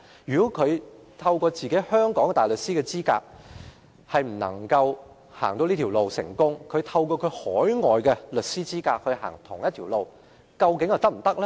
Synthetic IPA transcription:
jyː˨˩kɔ˨˥kʰɵ˨˧ɥt̪ʰɐ˧wkɔː˧t͡siː˨ke˨˥jhœː˥ŋkɔː˨˥ŋ˧t̪aː˨jlɵ˨t̚siː˥kɛː˧t͡siː˥ka̰ː˧k̚ | hɐ˨jm̩˨˩nɐ̰˨˩ŋkɐ˧w | haː˨˩ŋt̪o˧wli˥t̪ʰi˨˩wlo˨wsɪ̰˨˩ŋkʊ˥ŋkʰɵ˨˧ɥt̪ʰɐ˧wkɔː˧kʰɵ˨˧ɥhɔː˨˥jŋɔː˨jkɛ˧lɵ˨t̚siː˥t͡siː˥kaː˧k̚hɵ˧ɦa̰ː˨˩ŋt̪ʰʊ˨˩ŋjɐ˥t̪ʰi˨˩wlo˨w | kɐ˧wkɪ˨˥ŋjɐ˨˧t̪k̚m̩˨˩t̪ɐ˥k̚lɛ˥

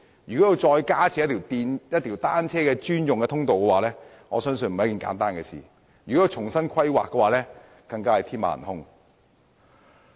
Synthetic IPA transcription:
jyː˨kɔː˨˥ji˧wt͡ʃɔː˧jkaː˥t͡sʰiː˨˧˦jɐ˥t̪ʰi˨˩t̪iː˨˧njɐ˥t̪ʰiː˨˩wt̪aː˥nt͡sʰɛː˥kɛː˧t͡ʃyː˥njʊ˨ŋkɛː˧t̪ʰʊ˥ŋt̪o˨wkɛ˧waː˨˧lɛː˥ | ŋɔː˨˧sœː˥ŋsɵ˧nm̩˨jɐ˥kiː˨nka̰ː˨˥nt̪aː˥nkɛ˧sḭː˨˩ | jyː˨kɔː˨˥jɐ˧wt͡ʃʰʊ˨˩ŋsɐ˥nkʰɐ˥jwa̰ː˨kːɛː˧waː˨˥lɛː˥ | kɐ˧ŋkaː˥hɐ˨jt̪ʰiː˥nma̰ː˧˨ɐ̰˨˩nhʊ˥ŋ

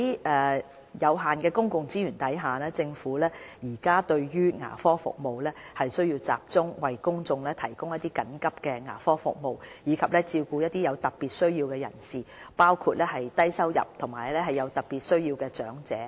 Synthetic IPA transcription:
ɛː˨ | jɐ˨˧wɦaː˨nkɛː˧kʊ˥ŋkʊ˨ŋt͡siː˥ɥyː˨˩nt̪ɐ˨˥jɦaː˨lɛː˥t͡sɪ˧ŋfuː˨˥lɛː˥jiː˨˩kaː˥t̪ɵ˧ɥjyː˥ŋa̰ː˨˩fɔː˥fʊ̰˨k̚mo˨wlɛː˥hɐ˨jsɵ˥ɥjiː˧wt͡sa̰ː˨p̚t͡sʊ˥ŋwɐ˨˩jkʊ˥ŋt͡sʊ˨˧ŋlɛː˥t̪ʰɐ˨˩jkʊ˥ŋjɐ˥t̪̚ːiː˥kɐ˨˥nkɐ˥p̚kɛː˧ŋa̰ː˨˩fɔː˥fʊ̰˨k̚mo˨wjiː˨˧kʰɐ˨p̚lɛː˥t͡siː˧wkuː˧jɐ˥t̚t̪i˥jɐ˨˧wt̪ɐ˨˩t̚piː˨t̚sɵ˥ɥjiː˧wkɛː˧jɐ̰˨˩nsiː˨paː˥wkʰuː˧t̚lɛː˥hɐ˨jt̪ɐ˥jsɐ˥wjɐ̰˨p̚t̪ʰʊ˨˩ŋmaː˨˩jlɛː˥ɦɐ˨˩jːɐ˨˧wt̪ɐ˨˩t̚piː˨t̚sɵ˥ɥjiː˧wkɛː˧t͡ʃœː˨˥ŋt͡sɛː˨˦

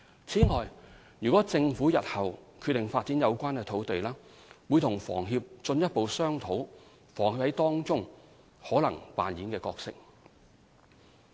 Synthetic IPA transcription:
t͡sʰiː˨˥ŋɔː˨j | jyː˨kɔː˨˥t͡sɪ˧ŋfuː˨˥jɐ˨t̚hɐ˨wkʰyː˧t̚t̪ɪ˨ŋfaː˧t̚t͡siː˨˥njɐ˨˧wkʷaː˥nkɛː˧t̪ʰo˨˥wt̪e˨jlaː˥ | wuː˨˧jt̪ʰʊ˨˩ŋfɔ̰ː˨˩ŋɦi˧p̚t͡sɵ˧njɐ˥t̚po˨wsœː˥ŋt̪ʰo˨˥w | fɔː˨˩ŋhiː˧phɐ˨˥jt̪ɔː˥ŋt͡sʊ˥ŋ | hɔː˨˥lɐ˨˩ŋpa̰ː˨njiː˨˥nkɛː˧kɔː˧k̚sɪ˥k̚

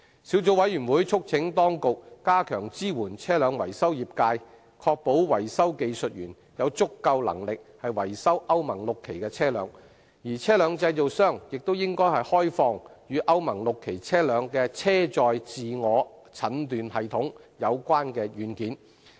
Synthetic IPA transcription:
si˨˧˥wt͡so˨˧wɐ˨˥jyː˨˩nwu˨˥jt͡ʃʰʊ˥k̚t͡sʰɪ˨˥ŋt̪ɔː˥ŋkʊ˨k̚ːaː˥kʰœː˨˩ŋt͡siː˥wuː˨˩nt͡sʰɛː˥lœː˨˧ŋwɐ˨˩jsɐ˥wjiː˨p̚kaː˧j | kʰɔː˧k̚po˨˥wwɐ˨˩jsɐ˥wke˧jsɵ˨t̚ɥyː˨˩n | jɐ˨˧wt͡sʊ˥kːɐ˧wlɐ̰˨˩ŋlɪ˨k̚hɐ˨jwɐ˨˩jsɐ˥wʔɐ˥wmɐ˨˩ŋlʊ˨kʰːe˨˩jkɛː˧t͡sʰɛː˥lœ̰ː˨˧˥ŋ | jiː˨˩t͡sʰɛː˥lœː˨˧ŋt͡sɐ˧jt͡so˨wsœː˥˩ŋjɪ˨k̚t̪o˥wjɪ˥ŋkɔː˥jhɐ˨jhɔː˥jfɔː˧ŋjyː˨˧ʔɐ˥wmɐ˨˩ŋlʊ˨kʰːe˨˩jt͡sʰɛː˥lœː˨˧ŋkɛː˧t͡sʰɛː˥t͡sɔː˨jt͡siː˨ŋɔː˨˧ | t͡sʰɐ˨˥nt̪yː˨nhɐ˨jt̪ʰʊ˨˥ŋjɐ˨˧wkʷaː˥nkɛː˧jyː˨˥nkiː˨˥n

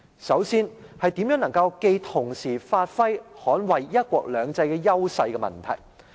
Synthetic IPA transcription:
sɐ˨˥wsiː˥n | hɐ˨jt̪i˨˥mjœː˨˥ŋnɐ˨˩ŋkɐ˧wke˧jt̪ʰʊ˨˩ŋsiː˨˩faː˧t̚fɐ˥jhɔː˨˥nwɐ˨jjɐ˥t̚kʷɔː˧k̚lœː˨˧ŋt͡sɐ˧jkɛ˧jɐ˥wsɐ˧jkɛ˧mɐ̰˨nt̪ʰɐ˨˩j

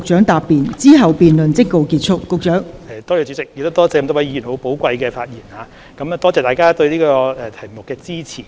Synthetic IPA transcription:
ʊ˨k̚t͡ʃœː˨˥ŋt̪aː˨pːiː˨nt͡siː˥ɦɐ˨wpiː˨nlɵ˨nt͡sɪ˥kːo˨˧wkiː˧t̚t͡ʃʰʊ˥kːʊ˧k̚t͡ʃœː˨˥ŋɛ˨t̪ɔː˥jɛː˨˧˩t͡sy˨˧˥t͡sɪ˨k̚jɪ˨kt̪ːt̪ɔː˥t͡sɛː˧kɐ˧mt̪o˥wɐ˨˥jiː˨˧jyː˨˩nho˨˧wpo˨˥wkʷɐ˧jkɛː˧faː˧t̚jiː˨˩nhaː˨˧˦ | kɐ˨˦m˨t̪ɔː˥t͡sɛː˨˧t̪aː˨jkaː˥t̪ɵ˧ɥliː˥kɔː˧ɛ˨˧t̪ʰɐ˨˩jmʊ˨kːɛː˧t͡siː˥t͡sʰiː˨˩

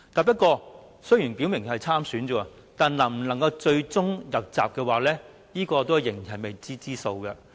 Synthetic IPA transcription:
t̪aː˨˩pɐ˥t̚kɔː˧ | sɵ˥ɥjyː˨˩npi˨˥wmɪ˨˩ŋhɐ˨jt͡sʰaː˥msyː˨˥nt͡ʃɔː˨˩˧ | t̪aː˨˩nlɐ˨˩m̩˨˩nɐ˨˩ŋkɐ˧wt͡ʃɵ˧ɥt͡sʊ˥ŋjɐ˨˩p̚t͡sa̰ː˨p̚kɛː˧waː˨˩lɛː˥ | jiː˥kɔː˧t̪o˥whɐ˨˩jɪ˨˩ŋ˨˩hɦɐ˨˩jme˨jt͡siː˥t͡siː˥so˧wkɛ˧

